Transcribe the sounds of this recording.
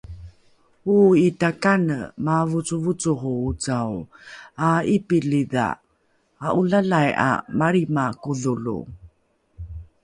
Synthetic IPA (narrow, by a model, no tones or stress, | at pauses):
uitakanə̰mavut͡suvut͡suhuut͡sawaipiliða̰ | aʔulalaja̰maɾimakuðulṵ